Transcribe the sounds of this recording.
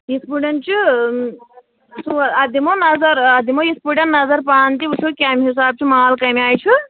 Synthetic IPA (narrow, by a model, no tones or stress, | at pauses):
jispuɖɐnt͡ʃʰi | suad̪imonɐzɐɾad̪ʱimojispuɖɐnnɐzɐɾpaːnt̪iusʰokʲaːmiɦisaːb̚t͡ʃʰimɐaalkɐmiaːjt͡ʃʰu